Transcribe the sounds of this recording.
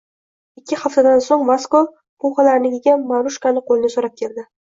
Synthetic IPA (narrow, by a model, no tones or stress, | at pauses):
ɪkʲːɪχaft̪ʰad̪ansoŋmasko | pʊχalaɾnɪɡʲɪɡʲamaɾʊʃkanɪqʰolˠɪnɪsoɾap̚kʲʰe̞ld̪ɪ